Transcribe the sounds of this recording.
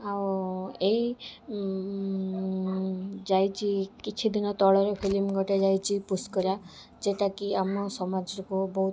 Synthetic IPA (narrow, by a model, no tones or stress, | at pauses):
awei | d͡ʒajt͡ʃikit͡ʃʰid̪inɔt̪ɔɭɔɾɔpʰilimɡɔʈed͡ʒajt͡ʃʰipuskɔɾa | d͡ʒeʈakiamɔsɔmad͡ʒɾɔkobɔut̪